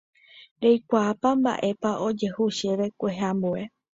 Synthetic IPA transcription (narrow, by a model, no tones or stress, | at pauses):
ɾejkʷaːpamba̰ʔe̞paʔo̞d͡ʒe̞huʃeʋe̞kʷe̞ɦambue̞